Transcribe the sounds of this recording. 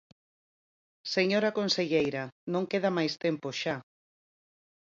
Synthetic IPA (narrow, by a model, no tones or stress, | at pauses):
seɲoɾakonseʎejɾanõŋkeðamajst̪empoʃa